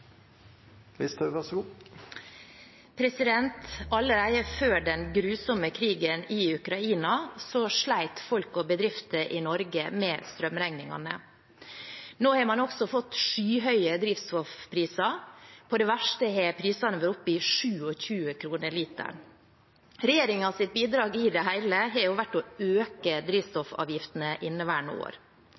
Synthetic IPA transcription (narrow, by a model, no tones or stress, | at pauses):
ʋɪst̪ʋæs | pʰɾɛsɪd̪ɛnt̪ɑlːəɾæɪəføːɖɛnɡɾʉːsɔməkʰɾiːɡənɪʉkɾɑiːnɑsɔʂɭæɪt̪fɔlkɔbəd̪ɾɪft̪əʔɪnɔɾɡəmɛːst̪ɾœmɾæŋnɪŋɑ̰nə̰ | noːheːmɑnɔɡsɔfɔt̪ːʂyːɦœʏəd̪ɾiːʋst̪ɔfpʰɾiːsɑpʰɔd̪ɛʋæʂʈəhɛpʰɾiːsɑnəʋəɾʊpːɪʂʉːɔçʉːəkʰɾuːnəɾɭiːt̪ə̰ɳ | ɾɛjeːɾɪŋɑʋsɪt̪̚biːd̪ɾɑːɡɪd̪ɛɦæɪləɦɑɾjʊʋæʈːɔøːkəd̪ɾiːʋst̪ɔfɑ̰ːʋjɪft̪ənəʔɪnːəʋæːɳo̰ːɾ